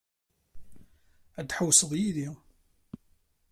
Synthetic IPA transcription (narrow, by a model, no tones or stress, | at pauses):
æd̪ħəwsəðˤjiði